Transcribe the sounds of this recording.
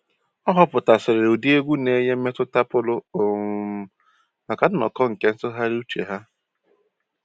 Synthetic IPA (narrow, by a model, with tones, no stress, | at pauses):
ɔ˦ɦɔ˦pʊ˨ta˨sɪ˨ɾɪ˨ɾo˨di˦e˦ɡʷu˦ne˦ɲe˦m̩˦e˦tʊ˦ta˦pʊ˦lʊ˦o˨ | ma˨ka˨dʊ˦nɔ̰˨kɔ˦ŋ̩˨ke˦n̩˦tʊ˦ɦa˦ɾu˦t͡ʃḛ˨ɦa˦